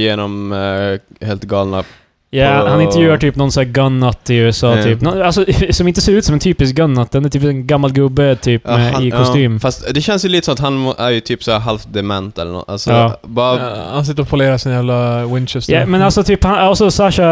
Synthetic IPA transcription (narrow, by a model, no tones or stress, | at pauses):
jeːnɔm | heːlt̪ɡɑːlna | jæːahanɪnɛɾjʉːaʈʰyːpnɔnsæːɡœnːat̪ʰːɪʉːɛsɑːyːpnɔalsɔsɔmɪnt̪əseːɾʉ̟ːt̪sɔmɛnt̪ʰyːpɪsk̚ɡœnːat̪̚d̪ɛnæɾʈʰyːpɛnɡamːalɡʉːbøːd̪̚t̪ʰyːpmɛɪkɔst̪yːmfast̪d̪ɛɕɛnsjlit̪əsɔmat̪hanæɾjɵt̪ʰyːpsɔæɾɦalfd̪ɛmɛ̰nt̪ɛ̰lːə̰ɳɔ̰t̪ːa̰lsɔɑːbɑːɾahansɪt̪ːəɾɔpʰʊleːɾasɪnjæːvlawɪnt͡ʃəsɛmɛnalsɔt̪ʰyːphanalsɔsaʂa